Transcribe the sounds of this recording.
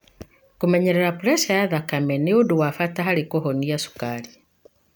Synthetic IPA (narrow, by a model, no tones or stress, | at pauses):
kumɛɲɛɾɛɾapuɾɛsajaðakamɛnioduwafataɦaɾikɔɦɔniasu̥kaɾi